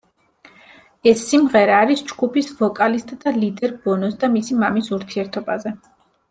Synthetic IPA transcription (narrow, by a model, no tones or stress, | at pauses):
ɛsːimʁɛɾaːɾisd͡ʒɡupʰisvɔkʼalist̪ʼd̪̥alid̪ɛɾbɔnɔsd̪amisimamisuɾt̪ʰiɛɾt̪ʰɔbazɛ